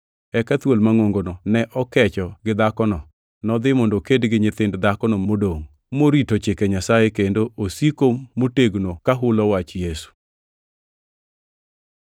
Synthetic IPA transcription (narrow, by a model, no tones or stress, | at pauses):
ɛkat̪wolmaŋoŋɡonɔnɛʔɔkɛt͡ʃɔɡɪd̪akɔnɔ | nɔd̪ɪmɔndokedɡɪɲɪt̪ɪndd̪akɔnɔmodoŋ | moɾitot͡ʃɪkɛɲasajɛkendoʔosikomoteɡnokaɦʊlɔwat͡ʃjesu̥